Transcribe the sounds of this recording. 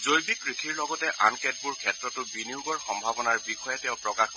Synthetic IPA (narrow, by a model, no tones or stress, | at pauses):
zojbikɹikʰiɹlɔɡɔtɛʔankɛt̚buɹkʰɛtɹɔtʊbinijuɡɔɹxɔmbʱabɔnaɹbixɔjɛtɛ̃ʊ̃pɹɔkax